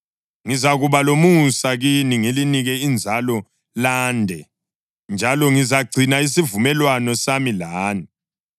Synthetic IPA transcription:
ŋizaɣuβalomusaɣiniŋiliniɣɛind͡zʱalɔ | laːndʱɛ | nd͡ʒʱalɔŋizaɡ͡ǀʱinais̬ivumɛlwanɔsamilaːni

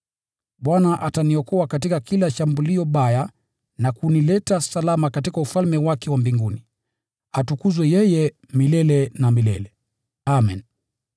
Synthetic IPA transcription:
ɓwanaʔataniɔkɔakatikakilaʃambuliɔɓaja | nakunilɛtasalamakatikaufalmɛwakɛwambiŋɡuni | atukuzwɛjɛjɛ | milɛlɛnamilɛ̰lɛ | amɛ̰n

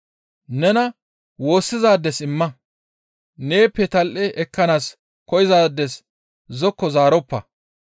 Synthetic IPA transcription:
nɛnɐ | wo̞ːsːɪzaːd̪ːɛsɪmːɐ | ne̞ːpːɛt̪ɐlʔɛʔɛkːɐnaːs | kɔjɪzaːd̪ːɛs | zɔkːɔzaːɾɔpːɐ

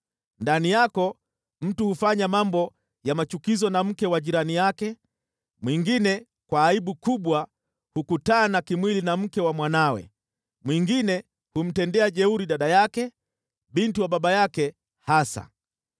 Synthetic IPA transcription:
ndanijakɔ | m̩tuhufaɲamambɔ | jamat͡ʃukizɔnam̩kɛwaʄiɾanijakɛ | mwiŋɡinɛ | kwaːiɓukuɓwa | hukutanakimwilinam̩kɛwamwanawɛ̰ | mwiŋɡinɛ | hum̩tɛndɛaʄɛuɾiɗaɗajakɛ | ɓintiwaɓaɓajakɛ | hasa̰

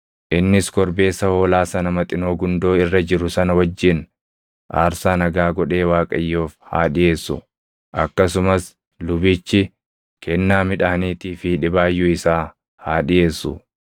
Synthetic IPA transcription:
ʔɪnːɪskɔɾbe̞ːsːɐho̞ːlaːsɐnɐmɐt̪ʼɪno̞ːɡʊnd̪o̞ːɪrːɐd͡ʒɪɾʊsɐnɐwɐd͡ʒːɪn | ʔa̰ːɾsaːnɐɡaːɡɔᶑe̞ːwaːkʼɐjːoːfha̰ːᶑɪje̞ːsːʊ̰ | ʔɐkːɐsʊmɐs | lʊbɪt͡ʃːɪ | kʰɛnːaːmɪᶑaːniːt̪iːfiᶑɪbaːjːʊɪsaː | haːᶑɪjeːsːʊ

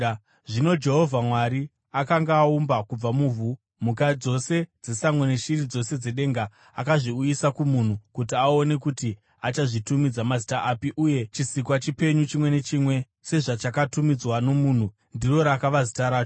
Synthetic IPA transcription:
ʐino̞d͡ʒe̞ɦo̞vʱamwaɾi | akaŋɡaːumbakub͡vamuːvʱu | mukad͡zo̞se̞d͡ze̞samweneʃirid͡zo̞se̞d͡ze̞ɗe̞ŋɡa̰ː | kaʐiujisakumun̤ukut̬iao̞ne̞kuti | at͡ʃaʐitumid͡zamazitaʔapiʔuje̞t͡ʃisikwat͡ʃipe̞ɲut͡ʃimwe̞ne̞t͡ʃimwe̞ | se̞ʐat͡ʃakatumid͡zwano̞muːn̤u | ndiro̞ɾakaʋazitaɾaːt͡ʃo

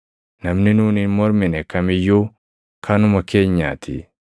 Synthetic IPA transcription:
nɐmninuːninmɔɾminɛkɐmijo | kʰanʊmɐkeɲːa̰ːt̪ʰḭ

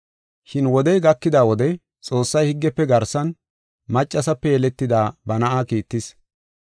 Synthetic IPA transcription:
ʃɪnwɔd̪ɛjɡɐkːɪd̪aːwɔd̪ɛ | t͡sʼo̞ːsːɐjhɪɡːɛpːɛɡɐɾsɐn | mɐt͡ʃʼːɐsɐpːɛjɛlɛt̪ːɪd̪aːbɐnɐʔaːkiːt̪ːɪs

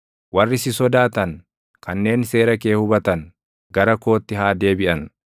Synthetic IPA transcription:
wɐrːɪsɪsɔd̪aːt̪ɐn | kʰɐnːe̞ːnse̞ːɾɐke̞ːhʊbɐt̪ɐn | ɡɐɾɐko̞ːt̪ːɪɦaːd̪e̞ːbɪʔɐn

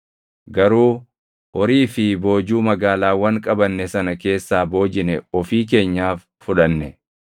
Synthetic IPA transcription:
ɡɐɾuː | ʔɔɾiːfɪbo̞ːd͡ʒuːmɐɡaːlaːwɐŋkʼɐbɐnːɛsɐnɐke̞ːsːaːbo̞ːd͡ʒɪnɛɔfiːk̬e̞ːɲːaːfːʊᶑɐnːɛ

